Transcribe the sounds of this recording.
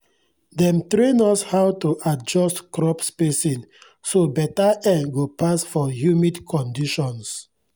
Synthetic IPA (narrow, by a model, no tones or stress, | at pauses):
dɛ̃mtɾẽnɔshawtuʔad͡ʒɔstkɾɔpspesĩn | sobɛtaɛɡopasfɔjumidkʰɔ̃ndiʃɔ̃ns